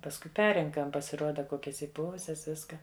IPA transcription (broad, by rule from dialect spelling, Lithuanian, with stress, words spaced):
pɐsˈkʊɪ ˈpʲɛrʲrʲɛŋkɐm pɐsʲɪˈruɔdɐ ˈkoːkʲɛs iːˈpʊʋʊsʲɛs ˈʋʲɪskɐ